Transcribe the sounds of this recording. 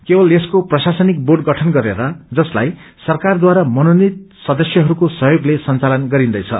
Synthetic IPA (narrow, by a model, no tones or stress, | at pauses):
kebʌleskoprʌsasʌnik̚borɖɡʌʈʰʌnɡʌɾeɾʌd͡zʌslaj | sʌrkard̪waɾamʌnonit̪̚sʌd̪ʌsjʌɦʌɾukosʌɦjoɡlesʌnt͡salʌnɡʌɾind̪ʌjt͡sʰʌ̰